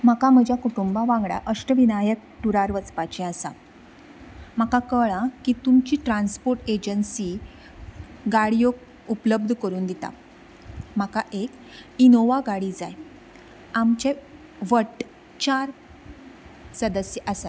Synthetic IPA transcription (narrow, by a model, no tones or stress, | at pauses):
m̤akam̤əd͡ʑʱjakuʈumbaʋãŋɡɽa̰ʔəʂʈəʋinajək̚ʈuɾaɾʋət͡spat͡ɕɛ̃asa̰ | m̤akakəɭãkiːt̪umt͡ɕiːʈɾãnspoɾʈed͡ʑənsiː | ɡaɽijo | upləb̚d̪ʱkəɾuːnd̪et̪a̰ | m̤akaʔek | inoʋaɡaɽiːd͡zaj | amt͡ɕe | ʋəʈ | t͡ɕaɾ | səd̪əsjəʔəsa